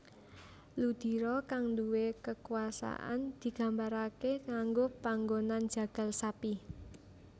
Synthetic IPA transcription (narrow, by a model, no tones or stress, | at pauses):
lud̪̥i̤ɾɔkaŋnduwekəkuasa̰ʔa̰nd̪̥i̤ɡ̥a̤mbaɾakekaŋɡopaŋɡonand̥d͡ʒ̥ä̤ɡ̥a̤lsapi